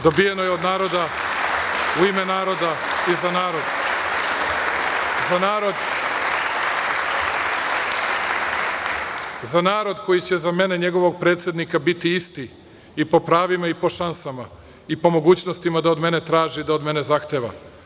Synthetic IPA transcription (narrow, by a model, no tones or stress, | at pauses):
d̪o̞bije̞no̞jeo̞d̪naːɾo̞d̪a | uime̞naːɾo̞d̪a | izanaːɾo̞d̪ | zanaːɾo̞d̪ | zanaːɾo̞d̪kʰo̞jit͡ɕe̞zame̞ne̞ɲe̞ɡo̞ʋo̞ɡ̚pɾe̞ːt̪sje̞d̪nikabit̪iist̪i | ipo̞pɾaːʋimaipo̞ʃansama | ipo̞mo̞ɡuːt͡ɕnost̪imad̪aod̪me̞ne̞t̪ɾaːʒid̪aod̪me̞ne̞zaxt̪eːʋa̰